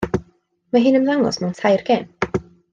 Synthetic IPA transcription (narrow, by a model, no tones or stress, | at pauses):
maɦɨnəmðaŋɔ̰smɛwntʰajrɡɛːm